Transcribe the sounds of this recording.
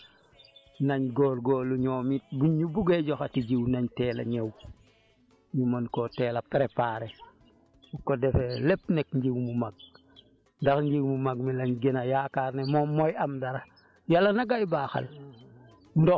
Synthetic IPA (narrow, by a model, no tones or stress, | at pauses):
naɲɡoːlɡoluɲoːmit̚buɲubuɡeɟoxatiɟiwnaɲtɛːla̰ɲew | ɲumonkoteːlapeɾepaːɾe | ukodefelepnekɲɟiwmumaɡ̚ | ndaxɲɟiwmumaɡ̚milaɲɡenajakaɾnemomojamdaɾa | jalːanaɡajbaːxa̰l | ndo